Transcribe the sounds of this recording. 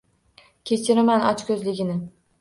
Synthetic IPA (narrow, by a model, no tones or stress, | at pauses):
kʲʰe̞t͡ʃʰɪɾɪmanɒt͡ʃkʲʰɵzlɪɡʲɪnɪ